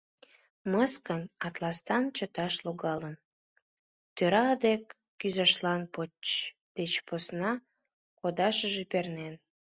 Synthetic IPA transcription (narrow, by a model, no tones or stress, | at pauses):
məskənɑt̪lɑst̪ɑnt͡ɕət̪ɑʃloɣɑlən | t̪øɾɑd̪ekː | yzɑʃlɑnpot͡ɕ | d̪̥et͡ɕposnɑ | kod̪ɑʃəʒepernen